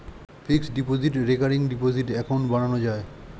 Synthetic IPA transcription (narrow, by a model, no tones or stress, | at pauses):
fʰiksɖipoziʈɾekaɾiŋɖipod͡ʑiʈɛkaw̃ɳʈbaɽ̃anod͡ʑae